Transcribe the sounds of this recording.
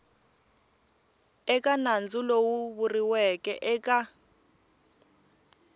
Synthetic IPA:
ɛkʼanand͡zulowuβuriwɛkʼɛʔɛka

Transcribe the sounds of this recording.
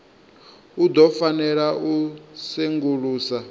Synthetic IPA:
ud̪ɔfanɛɺaʔuseŋɡuɺuːsa

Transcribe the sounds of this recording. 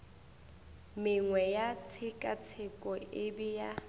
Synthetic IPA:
mɪŋwɛjat͡sʰɪkʼat͡sʰɪkʼɔɪbɪja

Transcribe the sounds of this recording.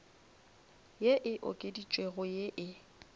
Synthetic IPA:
jeʔɪʔo̰kʼedit͡ʃʼweɣʊjeʔɪ

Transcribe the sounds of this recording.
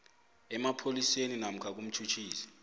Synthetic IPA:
ɛmapʰoliseninam̩kʰak̬um̩t͡ʃʰut͡ʃʰiːsi̥

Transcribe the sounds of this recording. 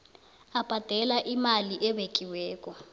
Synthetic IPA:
ab̥ʱad̥ʱɛlaʔimaliʔɛβekʼiwɛːkɔ

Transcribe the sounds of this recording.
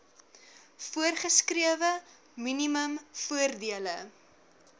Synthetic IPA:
fuərχəskriəvə | miniməmfuərdiələ

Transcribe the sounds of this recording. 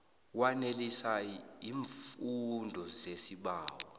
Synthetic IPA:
wanelisaiːɱfundʱɔzesiɓaːwɔ

